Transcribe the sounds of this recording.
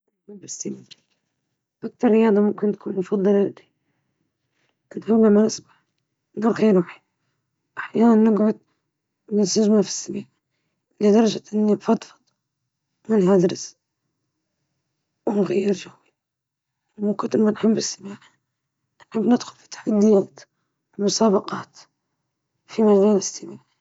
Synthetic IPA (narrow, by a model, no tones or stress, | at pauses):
nħabbɪsːamaː | ʔak̚t̪ɑɾˤːɪjɑːd̪ˤɑmʊmkɪnt̪ḁkʰuːnmfɑd̪ˤːɨlad̪i̥ | ʔɪnhawlamanɪsbaħ | nuːɾxiːɾuːħi̥ | ʔaħjaːnanːɪɡʕʊd̪̚ | nɪsaʒmafi̥sːamaːʕ | ʔɪlɪd̪ɑɾˤɑʒaʔɪnːibfɑt̪ˤfɑ̥t̪ˤ | mɪnhad̪ɾɪs | wɪnɣajːɪɾd͡ʒahwi | mʊkʊt̪ːmːanħambːɪsːabaːħa | nħabːnɪd̪xʊlfi̥t̪ːḁħad̪ːɪjaːt̪ | lmʊsɑːbɑqɑːt̪ | fimad͡ʒaːlɪsːabaːʕ